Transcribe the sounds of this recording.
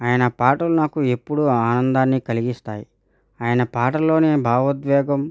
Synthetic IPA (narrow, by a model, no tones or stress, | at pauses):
aːjɐnɐpaːʈɐlunaːkue̞pːuɽuaːnɐnd̪aːnːikɐliɡist̪aːji | aːjɐnɐpaːʈɐlːo̞ːne̞ːbʱaːʋɐd̪ʋɛːɡɐm